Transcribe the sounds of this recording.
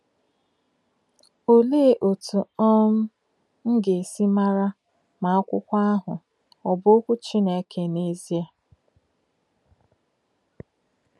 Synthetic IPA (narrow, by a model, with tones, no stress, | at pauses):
o˦leː˦˨ʔo˨tu˨ɔ˦m̩˦ | ŋ̩˦ɡe˨si˦ma˦ɾa˦ | ma˨˦kʷʊ̰˦kʷa˦a˦ɦʊ˨ | ɔ˨bo˦kʷu˦t͡ʃi˦ne˨kʰe˨ne˦zi˦a˦